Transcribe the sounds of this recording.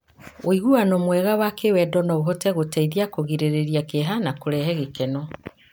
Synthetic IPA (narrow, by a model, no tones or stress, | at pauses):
oiɣuanɔmwɛɣawakewɛdɔnɔoɦɔtɛɣotaiðiakoɣiɾeɾeɾiakeɦanakoɾɛɦɛɣekɛnɔ